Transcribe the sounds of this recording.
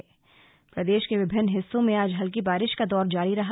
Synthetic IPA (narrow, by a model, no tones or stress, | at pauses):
pɾɐd̪eːʃkeʋɪbʱɪnːɦɪsːõmẽaːd͡ʒɦɐlk̬ibaːɾɪʃkad̪ɔːɾd͡ʒaːɾiɾɐɦa